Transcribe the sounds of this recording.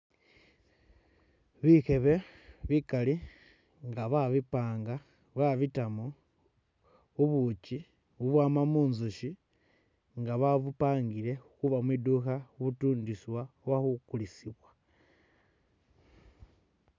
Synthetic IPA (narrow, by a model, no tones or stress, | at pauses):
βixe̞βe̞βikali | ŋɡaβaβipaːŋɡa | βaβitamo | uβut͡ʃi | uβwaːmamunzuʃi | ŋɡaβaβupaːŋɡile̞xuβamwiduxauβutuːndiswawaxukulisiβwa